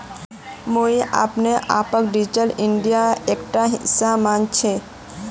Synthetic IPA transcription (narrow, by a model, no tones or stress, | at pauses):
moiʔa̰ːpneʔa̰pək̚ɖid͡ʒʈəliɳɖijaekʈaɦisamant͡ʃʰe